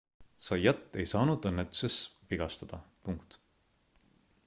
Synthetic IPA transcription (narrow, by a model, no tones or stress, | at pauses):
sɑjɑt̪ːˑe̞jsɑːnud̪ɤnːet̪ːˑu̥sesviɡ̥ɑst̪ɑd̪̥ɑ̰puŋkt̪